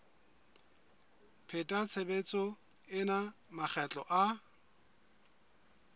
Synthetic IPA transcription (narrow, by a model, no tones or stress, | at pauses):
pʰetʼat͡sʰebet͡sʼɔ | ɪnamak͡xʰɛt͡ɬʼɔ̰ʔa